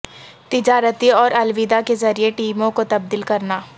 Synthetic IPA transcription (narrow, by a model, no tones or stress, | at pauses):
t̪ɪd͡ʒaːɾət̪iɔːɾɐlwiːd̪akezɐɾieʈiːmõkot̪ɐb̚d̪iːlkɐɾnaː